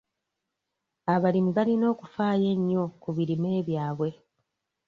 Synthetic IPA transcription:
aβalimiβalino̞ːkufaːje̞ɲːo̞kuβiɾime̞ːβjaːβwe̞

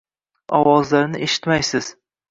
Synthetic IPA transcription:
ɒwɒzlaɾnɪʔeʃɪ̥t̪majsɪz̥

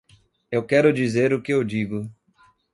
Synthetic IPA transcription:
ewkɛɾʊd͡ʒizeɾʊkɪewd͡ʒiɡʊ

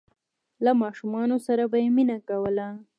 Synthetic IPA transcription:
lamɑʃumɑnosaɾabajeminakawəla

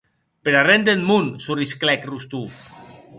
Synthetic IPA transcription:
peɾarend̪enmunsurisklɛkrust̪uf

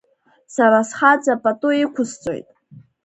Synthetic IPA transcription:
saɾasχat͡sʼapʼatʼuikʷʰʊst͡sʼo̞̰jtʼ

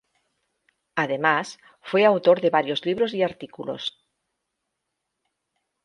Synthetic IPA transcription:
aðemas | fweawt̪oɾðeβaɾjozliβ̞ɾoziaɾt̪ikulo̰s

